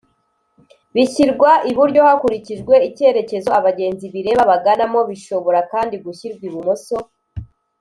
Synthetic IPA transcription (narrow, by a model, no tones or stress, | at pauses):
βiçiɾɡwaʔiβuɾɟo̞hakuɾiciʒɡwe̞ice̞ːɾe̞ce̞zo̞aβaɟe̞ːnziβiɾe̞ːβaβaɡanamo̞βiʃo̞βo̞ɾakaːndiɡuçiɾɡwiβumoso̞